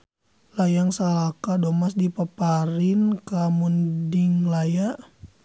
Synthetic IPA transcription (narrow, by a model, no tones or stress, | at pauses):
lajaŋsalakadɔmasdipapaɾinkamundiŋlajaʔ